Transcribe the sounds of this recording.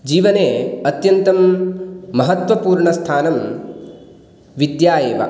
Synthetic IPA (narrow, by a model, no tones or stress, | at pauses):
d͡ʒiːʋɐneːɐt̪jɐnt̪ɐmː | ɐɦɐt̪ʋɐpuːɾɳɐst̪ʰaːnɐm | ʋid̪jaːjeːʋɐ̰